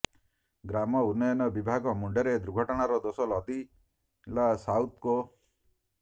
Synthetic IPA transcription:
ɡɾamɔunːɔjɔnɔbibʱaɡɔmuɳɖeɾed̪ɾuɡʱɔʈɔɽ̃aɾɔd̪osɔlɔd̪i | lasawt̪ko

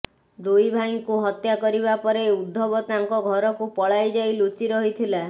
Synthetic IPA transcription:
d̪ujbʱajŋkuɦɔt̪jakɔɾiβapɔɾeud̪ʱːɔbɔt̪aŋkɔɡʱɔɾɔkupɔɭajd͡ʒajlut͡ʃiɾɔɦit̪ʰila

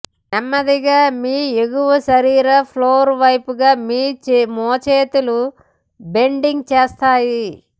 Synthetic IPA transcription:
ɐmːɐd̪iɡaːmiːeɡuʋɐʃɐɾiːɾɐpʰloːɾʋɐjpuɡaːmiːt͡ʃmɔːt͡ʃeːt̪ulu | beɳɖiŋɡt͡ʃeːst̪aːji

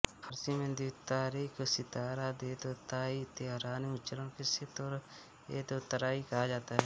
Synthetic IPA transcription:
hʰəɾsiːmẽnd̪it̪aːɾiːkʰsɪt̪aːɾaːd̪eːt̪oːt̪aːiːt̪ɪjaːɾaːniʊt͡ʃəɾõːkɪset̪oɾ | eːt̪ot̪əɾaːikaaːd͡ʒaːt̪aːɦɛː

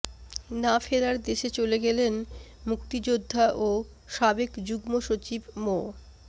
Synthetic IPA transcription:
nafeɾaɾd̪eʃet͡ɕoleɡɛlenmukt̪id͡ʑod̪ʱːaʔo | ʃabekd͡ʑuɡmoʃot͡ɕibmo

